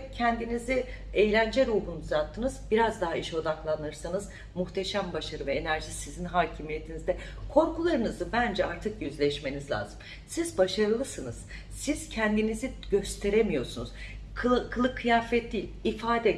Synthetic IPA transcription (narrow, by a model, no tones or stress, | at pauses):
cʰɛnd̪inizi | ejlʲænd͡ʒeɾuːɦunuzat̪ʰːɯnɯz̥biɾazd̪aɦaiʃo̞d̪aklˠanɯɾsɯnɯz̥ | muxt̪ʰe̞ʃæmbaʃaɾɯvɛenæɾʒisizinɦaːcʰimije̞t̪ʰinizd̪ɛ | kʰo̞ɾkulˠaɾɯnɯzɯbænd͡ʒɛaɾt̪ʰɯkjøzlʲɛʃme̞nizlʲa̰ːzɯm | sizbaʃaɾɯlˠɯsɯnɯz̥ | siz̥cʰɛnd̪iniziɟø̞st̪ʰe̞ɾemijo̞ɾsunuz̥ | kʰkʰːɯlˠɯkʰːɯjaːfɛt̪ːiilʲifaːd̪ɛ